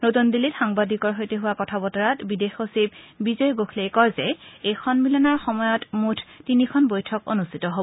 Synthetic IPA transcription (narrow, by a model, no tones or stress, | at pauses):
notundilitxaŋbadikɔɹɦojteɦʊwakɔtʰabɔtɔɹatbidexosibbizɔjɡokʰlejkɔɹzɛejkʰɔnmilɔnaɹxɔmɔjɔtmutʰtinikʰɔnbojtʰɔko̰nustʰitɔɦobɔ